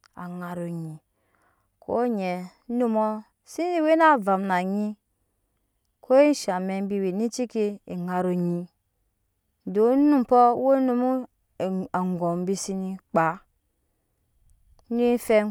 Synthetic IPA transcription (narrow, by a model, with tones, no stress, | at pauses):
a̰˨ŋa˨ɾo˨ɲi˨ | kʰo̰˦ɲɛ˨˦ | nu˦mo˦ | si˦i˦we˦na˦˨va˨mna˨ɲi˦ | kʰo˦e˦n˦ʃa˨me˨m˦bi˦we˨ni˦t͡ʃi˦ki˦e˨ŋa˨ɾo˨ɲi˦˨˦ | do˨˦nu˦m˨pɔ˦wo˦nu˦mu˦˨ | a˨ŋ˨ɡo˨m˦bi˦si˦ni˦k͡pa˨˦ | ni˦fe˦